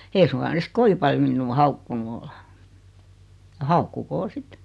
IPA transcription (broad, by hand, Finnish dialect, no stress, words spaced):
eːi suŋkɑ ne sik koʋi pɑljo minːuː hɑukːunu ol jɑ hɑukːukoː sit